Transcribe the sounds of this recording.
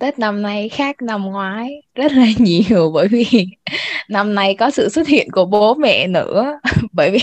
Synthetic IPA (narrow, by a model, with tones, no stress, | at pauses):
t̪əː˦˥t̚na˨˩mna˧˩jxaː˦˥k̚na˨˧˩mŋwaː˨˦jzə˦˥t̚laː˨˩ɲi˨˩˨əwɓəː˧˩jvi˨˩ | na˨˧mna˨˧˩jkɔ˨˦sɨ̰˧˨swə˦˥t̚hḭ˧˨ənku˧˩əɓo˨˦mɛ̰˧˨nɨ̰˧˥əɓəː˧˩jvi˨˩